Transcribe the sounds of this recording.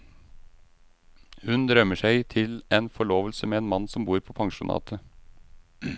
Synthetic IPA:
hʉnd̪ɾœməʂæɪt̪ʰɪleːnfɔɭoːʋəlsəmeːeːnmɑnːsɔmbuːɾpʰoːpʰɑŋʃʊnʔɑ̰ːt̪ʰə

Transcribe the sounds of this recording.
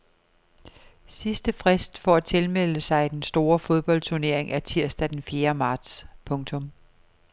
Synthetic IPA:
sisd̥əfʁɛsd̥fɒæt͡sʰe̝lmel̰əsɑ̈ɪd̥ensd̥o̝ːɐfo̝ð̞ˠb̥ɒ̽l̰d̥t͡sʰuɐne̝ɐ̰e̝ŋæɐt͡sʰiɐ̰sd̥æd̥enfje̝ːɐmɑ̈ːd̥spʰɔ̽ŋt͡sʰɔ̽m

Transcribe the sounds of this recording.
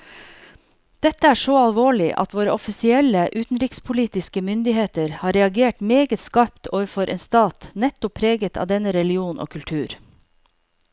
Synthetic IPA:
d̪̥ɛt̪əæːʂoːɑlʋoːɭɪʔɑ̰t̪ʰʋoːɾəɔfɪsɪɛləʔʉːt̪n̩ɾikspʰʊliːt̪ɪskəmʏnd̪ɪheːt̪əɾhɑːɾɛɑɡeːʈmeːɡət̪skɑpt̪ʰoːʋəfɔɾʔeːnst̪ɑːt̪nɛt̪ʊpʰːɾeːɡət̪ʰɑ̰ːd̪ɛnəɾɛlɪuːnʔo̰ːkʰʉlt̪ʰʉːɾ

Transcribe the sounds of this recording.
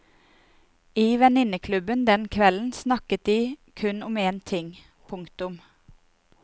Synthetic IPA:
iːʋɛnɪnəkʰlʉbənd̪ɛnkʰʋɛln̩snɑkət̪̚d̪iːkʰʉnʊmeːnt̪ʰɪŋ | pʰʊŋkt̪ʊm

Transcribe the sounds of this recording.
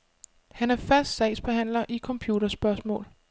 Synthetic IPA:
hænæɐfæsd̥sɛɪsb̥e̝ɦæn̰lɐʔikʰɒ̽mpʰjuːɾɐsb̥ɶɐsmɔ̰̽ːl

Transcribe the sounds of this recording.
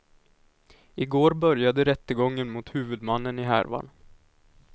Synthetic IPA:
ɪɡoːɾbœɾjad̪əɾɛt̪ːəɡɔŋːənmʊt̪hʉ̟ːvɵd̪manːənɪɦæ̰ɾva̰n

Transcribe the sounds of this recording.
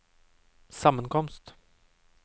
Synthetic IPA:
samːankʰɔmst̪

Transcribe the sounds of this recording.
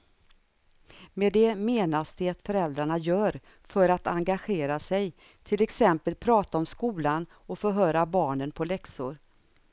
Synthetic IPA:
med̪ɛmeːnasd̪ɛat̪fœɾɛld̪ɾaɳajœːɾ | fœɾat̪aŋɡaɧeːɾasɛj | t̪ʰɪlɛksɛmpəlpʰɾɑːt̪aɔmskuːlan | ɔfœɾɦœːɾabɑːɳənpʰɔlɛksʊɾ

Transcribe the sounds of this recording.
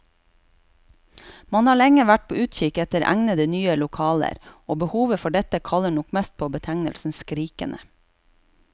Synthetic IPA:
mɑnhɑːɭɛŋəʋæʈ̚pʰoːʔʉːt̪çɪkɛt̪əɾʔæ̰ŋnəd̪ənyːəlʊkʰɑːlə̰ɾoːbəhuːʋəfɔɖɛt̪əkʰɑləɳʊkmɛst̪̚pʰoːbət̪ʰæŋnəlsn̩skɾiːkə̰nʔə

